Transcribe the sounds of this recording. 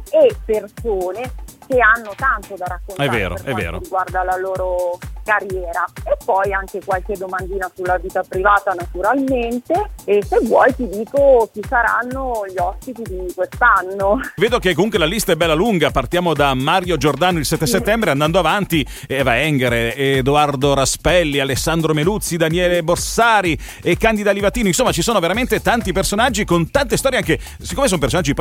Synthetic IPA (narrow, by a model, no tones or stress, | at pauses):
epːersoːnek̟eanːot̪ant̪od̪aɾakːonɛvvːeːɾo̰ɾɛ̰vːḛːɾo̰iɡward̪alaloːɾokarjɛːɾaepːɔjaŋk̟ekwalked̪ːomand̪iːnasulːaviːt̪apɾivaːt̪anat̪uɾalment̪eesevːwɔ̰jt̪id̪iːkok̟isaɾa̰nːoʎɔspit̪id̪ikwest̪anːoveːd̪okekːomuŋkwelalist̪aɛbːɛlːaluŋɡapart̪jaːmod̪amːaɾjod͡ʒord̪aːnoilsɛt̪ːeset̪ːɛmbɾeand̪and̪oavant̪i | ɛːvaɛŋɡeɾed̪oard̪oɾaspɛlːialesːand̪ɾomelut̪sːid̪anjɛːleborsaːɾi | ekːand̪id̪alivat̪ːiːnoinsomːat͡ʃisoːnoveɾament̪et̪ant̪ipersonad͡ʒːikont̪ant̪est̪ɔɾjeaŋke | sikːomes̬onmpersonad͡ʒːip